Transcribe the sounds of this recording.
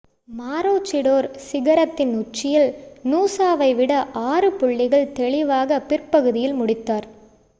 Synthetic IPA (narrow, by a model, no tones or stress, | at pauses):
maːɾoːt͡ʃːɪɽoːɾsɪɣɐɾɐt̪ːɪnʊt͡ʃːɪjɐlnuːsaːʋɐɪʋɪɽɐʔaːrɯpʊɭːɪɣɐɭt̪ɛɭɪʋaːɣɐpɪrpɐɣɯðɪjɪlmʊɽɪt̪ːaːɾ